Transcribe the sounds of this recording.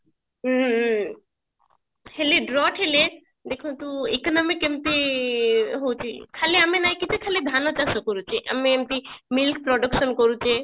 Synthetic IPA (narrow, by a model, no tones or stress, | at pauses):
heleɖɾɔʈɦele | d̪ekʰunt̪uḛknɔmikemt̪e | ɦowt͡ʃʰḭkʰaleamenajkit̪ʰekʰaled̪ʱanɔt͡ʃasɔkoɾut͡ʃʰeʔa̰meemt̪imilk̚pɾɔɖukʃɔnkoɾut͡ʃʰe